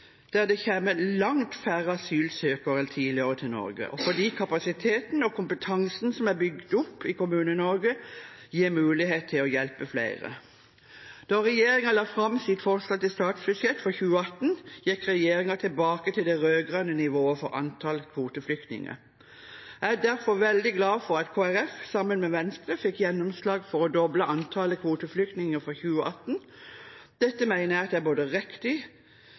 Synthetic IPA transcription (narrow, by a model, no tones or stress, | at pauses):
d̪̥æʁd̪ɛçɛmːəlɑŋt̪fæʁəɑsyːlsøːkəʁɛlt̪ʰiːlɪəʁət̪ʰɪlnɔ̰ɾɡə̰ʔɔfɔd̪iːkʰɑpɑsɪt̪ʰeːt̪nɔkʰʊmpət̪ʰɑŋsn̩sɔmæbʏɡd̪ʊpʰːɪkʊmʉːnənɔɾɡəjeːɾmʉːlɪɦeːt̪t̪ʰɪlɔjɛlpəflæ̰ɪʁə̰ | d̪̥ɑʁɛjeːɾɪŋɑlɑfʁɑmsɪt̪fɔʁsɑt̪ːɪlst̪ɑːt̪sbʉd̪ʃjɛt̪ːfɔçʉːəɑt̪n̩jɛkʁɛjeːʁɪŋɑt̪ʰɪlbɑːkət̪ʰɪld̪ɛʁøːɡʁɑnənɪʋoːəfɔʁɑ̰nt̪ʰɑlkʰʋuːt̪əflʏkt̪nɪ̰ŋə̰ | æd̪æʁfɔʁʋɛld̪ɪɡlɑːfɔʁɑt̪kʰoːæʁɛfsɑmənmɛːʋɛnst̪ʁəfɪkjɛnːɔmslɑːɡfɔʁɔd̪ɔbləʔɑnt̪ʰɑləkʰʋuːt̪əflʏk̚t̪nɪŋəfɔçʉːəʔɑt̪n̩ | d̪̥ɛt̪ːəmæɪnæːʁt̪æboːd̪əʁɛkt̪ɪ